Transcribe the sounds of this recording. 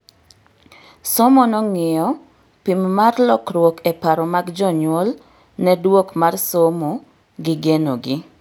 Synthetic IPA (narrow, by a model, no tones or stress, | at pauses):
sɔmɔnɔŋɪjɔ | pimːarlɔkɾwokɛpaɾɔmaɡd͡ʒɔɲwol | nɛdwokmarsomo | ɡɪɡeno̰ɡɪ